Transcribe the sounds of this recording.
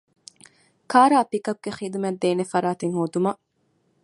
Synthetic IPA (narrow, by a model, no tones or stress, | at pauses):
kaːɾaːpikɐb̚ɡ̥eχiːd̪umed̪ːeːnefɐɾaːt̪eŋhoːd̪umɐ